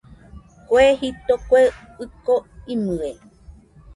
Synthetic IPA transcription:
kʷehip̚t̪okʷe | ɨkoinɨe

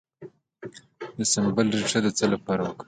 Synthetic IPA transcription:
d̪əsɪmbəlɾiʈ͡ʂad̪ət͡səlapɑɾawəka

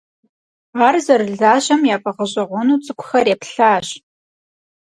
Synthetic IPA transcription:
aːrzɐrɨɮaːʑɐmjaːpʼɐʁəʑʼɐʁʷɔnuːt͡sʼɨkʷʰʊxɐrjepɬaːɕ

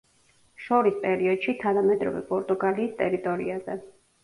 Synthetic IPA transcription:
ʃɔɾispʼɛɾiɔd̪̥ʃit̪ʰanamɛd̪ɾɔ̰vɛ̰pʼɔɾt̪ʼuɡaliːst̪ʼɛɾit̪ʼɔɾḭazɛ

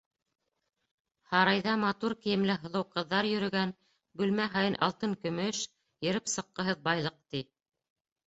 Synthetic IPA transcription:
hɑɾɑjðɑmɑt̪uɾkijɘ̆mlɘɦɤ̆lˠɤ̆wqɤ̆ðːɑɾjɵ̆ɾɵ̆ɡæn | bʉlmæɦɑjɤnʔɑ̰lˠt̪ɤŋkɵ̆mɵʃ | jɘ̆ɾɘpsɤ̆qːɤ̆ɦɤðbɑjlˠɤq̚t̪i

